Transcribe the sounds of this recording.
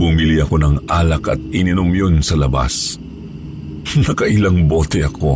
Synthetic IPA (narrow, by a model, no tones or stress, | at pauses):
bʊmiliɐko̞nɐŋʔaːlɐkɐ̰t̪̚ɪnɪnomjonsɐlɐba̰s | nɐkɐʔɪlaŋboːt̪ɛʔɐkʰo̞